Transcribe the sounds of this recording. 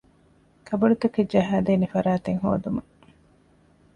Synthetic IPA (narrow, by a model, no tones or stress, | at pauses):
kʰɐbɐlut̪ɐked͡ʒɐɦaːd̪eːnefɐɾaːt̪eŋɦo̰ːd̪umɐ